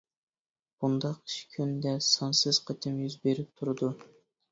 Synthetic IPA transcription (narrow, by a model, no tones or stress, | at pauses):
b̥und̪ɑqi̥ʃkʲʰynd̪ɛsɑnsɨz̥qʰət̪ʰɪmjyzbeɾɪp̚t̪ʰuɾɨd̪u